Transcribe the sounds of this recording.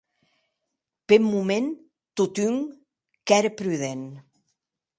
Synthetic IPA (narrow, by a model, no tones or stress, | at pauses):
pemːumen | t̪ut̪yŋ | kɛɾəpɾyðen